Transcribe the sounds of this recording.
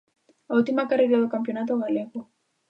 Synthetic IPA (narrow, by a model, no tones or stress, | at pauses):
autimakaɾiɾazakampiɔnatɔwalɛkɔ